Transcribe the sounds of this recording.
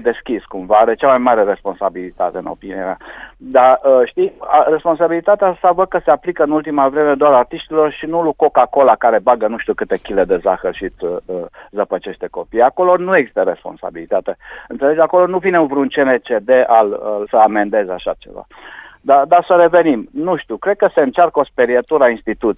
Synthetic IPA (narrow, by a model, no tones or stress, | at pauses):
jd̪e̞skʲiskumvaaɾet͡ʃamajmaɾe̞ɾe̞spo̞nsabilit̪at̪eɨno̞̰pinia̰ma̰d̪aəʃt̪ijare̞spo̞ns̬abilit̪at̪east̪avəd̪̚kəseaplikəɨnult̪imavɾe̞me̞d̪oaɾart̪iʃt̪ilo̞rʃinuluko̞kako̞lakaɾe̞baɡənuʃt̪ukɨt̪e̞kʲile̞d̪e̞zaxərʃit̪əzəpət͡ʃe̞ʃt̪e̞ko̞pijako̞lo̞nueɡzist̪əɾe̞spo̞nsa̰bilit̪at̪eɨnt̪se̞le̞d͡ʒako̞lo̞nuvine̞uvɾunt͡ʃenet͡ʃed̪e̞ʔaləsəamend̪e̞zeaʃa̰t͡ʃe̞̰va̰d̪ad̪asəɾe̞ve̞nimnuʃt̪ukɾe̞d̪̚kəse̞ɨnt͡ʃarko̞speɾiet̪uɾainst̪it̪ut̪i